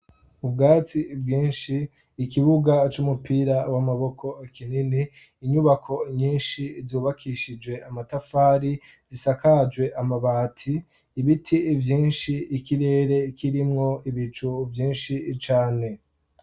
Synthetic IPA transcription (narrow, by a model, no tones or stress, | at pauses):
ubɡaːt͡sib̚ɡiːnʃiː | kiβuɡat͡ʃumupʰiɾawamaβo̞kʰo̞akʰininiː | ɲuβakʰo̞ɲiːnʃizuːβakʰiʃid͡ʒɡwe̞amatafaːɾi | zisakad͡ʒwe̞ʔamaβaːtʰiː | βitʰivjiːnʃiːkiɾe̞ːɾe̞kiɾimŋo̞iβit͡ʃuvjiːnʃit͡ʃaːne̞